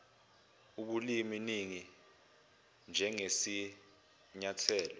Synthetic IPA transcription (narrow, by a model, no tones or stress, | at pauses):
uɓuliminiŋi | nd͡ʒʱɛŋesi | ɲatʰɛːlɔ